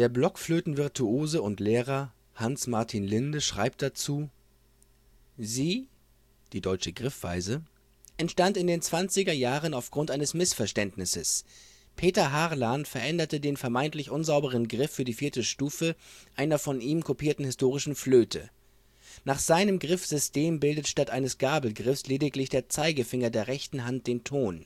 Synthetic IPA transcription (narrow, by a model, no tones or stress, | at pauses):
d̥eːɐblɔkfløːtn̩vɪɐtʰuoːzəʊntleːʁɐ | hansmaɐtʰinlɪndəʃʁ̥aɪp̚t̚d̥at͡suː | ziː | d̥iːdɔʏt͡ʃəɡʁɪfv̥a̰ɪzə | ʔɛntʃtantɪndeːnt͡sv̥ant͡sɪɡɐjaːʁənaʊfɡ̥ʁʊntʔaɪnəsmɪsfɛɐʃtɛntnɪsəs | pʰeːtɐɦaʁlanfɛɐʔɛndɐtədeːnfɛɐmaɪntlɪçʔʊnzaʊbəʁ̞ənɡʁɪfːyːɐdiːfiːɐtəʃtuːfəʔaɪnɐfɔnʔiːmkʰopiːɐtn̩hɪstoːʁ̞ɪʃn̩fløːtʰə̰ | naːχz̥aɪnəmɡʁɪfz̥ʏsteːmbɪldətʃtatʔaɪnəsɡ̥aːbl̩ɡʁɪfsleːdɪklɪçd̥eːɐt͡saɪɡəfɪŋɐdeːɐʁɛçtn̩ɦant̚d̥eːntʰoːn